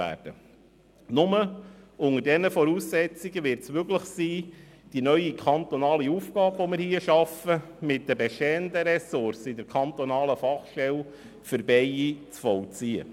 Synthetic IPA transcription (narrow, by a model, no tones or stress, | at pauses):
æ̰ːɾd̥ə | nʊməʊŋəɾdɛnəfɔɾuːsːɛt͡siɡəʋɪɾtsmøɡləχsiː | d̥inœʏikʰɑnt̪ɔnɑːliufɡɑːbʋɔmɪɾhiəʃɑfə | mɪt̚dəbɛʃtɛːənd̪əɾɛsʊɾsɪdɛɾkʰχɑnt̪ɔnɑːləfɑχʃtɛl | fʏɾbɛjit͡sfɔwt͡siə̰